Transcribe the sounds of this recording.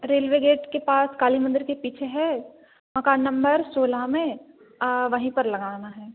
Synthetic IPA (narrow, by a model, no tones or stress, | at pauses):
ɾeːlʋeɡeːʈkepaːskaːlimɐ̃nd̪ɪɾkepiːt͡ʃʰeɦɛː | mɐkaːnːɐ̃mbəɾsoːlamẽ | ʋɐɦĩpɐɾlɐɡaːnaɦɛː